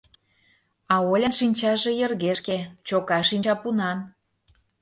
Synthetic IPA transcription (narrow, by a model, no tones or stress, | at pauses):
ɑolʲɑnʃinʲt͡ɕɑʒe̽jĕrɣeʃket͡ɕokɑʃinʲt͡ɕɑpunɑn